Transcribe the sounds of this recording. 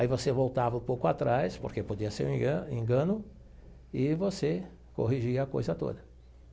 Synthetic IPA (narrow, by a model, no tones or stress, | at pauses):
aivosevowt̪avɐũpowkʊat̪ɾajspo̰ɾkepod͡ʒiɐsḛɾ̃ɡẽŋɡɐ̃nʊ | ɪvose | ko̰ɦiʒiɐːko̰jzɐt̪o̰d̪ɐ